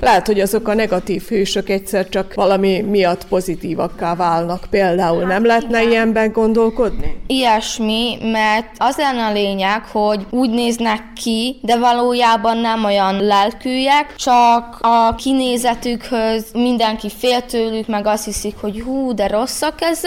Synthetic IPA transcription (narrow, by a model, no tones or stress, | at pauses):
lɛɦɛt̪ho̞ɟɒzo̞kɒnɛɡɒt̪iːfhøːʃøkɛc̚t̪sɛrt͡ʃɒkvɒlɒmimijɒt̪ːpo̞zit̪iːvɒkːaːvaːlnɒkpeːld̪aːulnɛmlɛɦɛt̪nɛiɛmbɛŋɡo̞nd̪o̞lko̞d̪niijɛʃmimɛrt̪ɒzlɛnːɛɒleːɲɛkho̞ɟuːɟneːznɛkːid̪ɛvɒloːjaːbɒnːɛmo̞jɒnlɛlkyːjɛkt͡ʃɒkɒkineːzɛt̪ykhøzmind̪ɛŋkifeːlt̪øːlykmɛɡɒst̪hisikho̞ɟhuːd̪ɛɾo̞sːɒkːɛz